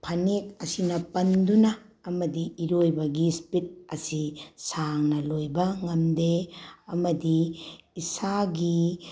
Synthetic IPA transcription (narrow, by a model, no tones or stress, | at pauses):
pʰɐnek̚ɐsinɐpɐndunɐː | mɐdiːɾojbɐɡispit̚ɐsisaŋnɐlojbɐŋɐmdeɐmɐdiisaɡi